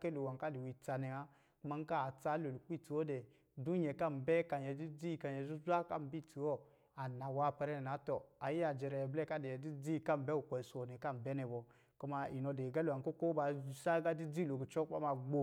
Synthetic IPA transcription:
ke˦lo˨wa˨ŋka˦di˨wi˨t͡sa˨ne˨a˦ | ku˦ma˦ŋ˦ka˦a˨t͡sa˦lo˨lu˨k͡pi˦ti˨wo˦dɛ˨ | du˦ɲɛ˨ka˦m˨bɛ˦ka˨njɛ˨di˦d͡zi˦ka˨je˨zu˦zʷa˦ka̰˦˨m˦bi˦ti˨wo˦ | a˨na˨wa˦˨pɛ˦ɾɛ˦nɛ˨na˨˦tɔ˨a˨ji˦a˨d͡ʒɛ˨ɾɛ˨blɛ˦ka˦de˨di˦d͡zi˦˨ka˦mbɛ˦u˨kʷɔ˨so˨ne˨ka˦m˨bɛ˦nɛ˨bɔ˨ | ku˦ma˦i˨no˨de˨ɡa˦lu˨a˨ko˦ko˦ba˨˦sa˦ɡa˦di˦d͡zi˦˨lo˨ki˨t͡ʃɔ˦kk͡pa̰˦ma˨ɡ͡bo˦

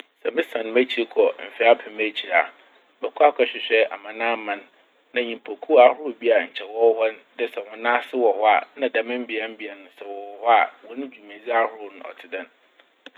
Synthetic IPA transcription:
sɛ˨mɪ̃˦sã˨n˨mæ˦t͡ɕʰi˨˦ɾkʰɔ˨m̩˨fi˦a˦pʰɪ̃˨mæ˦t͡ɕʰi˨ɾa̰˨ | bɛ˨kʰu˦a˦kʰɛ˨ɕᶣɪ˨ɕᶣɛ˦ʔa̰˨mã˨nãː˦mã˨nː | ã˨ɲĩ˨m˨pʰo˨kʰu˦a˦hʊ˦ʊ˨bi˦a˨ɲ̩˨t͡ɕʰɛ˨wɔ˦hɔ˦ndɪ˦sɛ˨wɔ̃˨nã˦sɪ˦wɔ˨hɔ˦a̰˨nã˨dã˨mɪ̃˦m̩˦bi˨a˦m˦bi˨a˨nʊ̃˨˦sɛ˨wɔ˨wɔ˨hɔ˦a̰˨wɔ˦nʊ̃˦d͡ʑᶣu˨mẽ˨zi˦a˦hʊ˦ɾʊ˨nʊ̃˦ɔ̰˨tʰɪ˨dã˨n

